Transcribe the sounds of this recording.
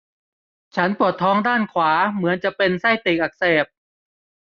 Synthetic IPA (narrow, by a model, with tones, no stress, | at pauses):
t͡ɕʰa˦˥npu˨˩ət̪ʰːɔː˦˥ŋdaː˥˩nkʰwaː˩˦mɯ˩˦ənt͡ɕa˨˩ʔpe˧nsa˥˩jt̪iː˨˩k̚ʔa˨˩k̚seː˨˩p̚